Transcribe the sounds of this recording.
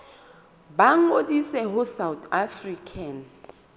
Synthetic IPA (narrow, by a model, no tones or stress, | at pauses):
baŋ̩odisɛɦʊsawt̪afrikʰan̩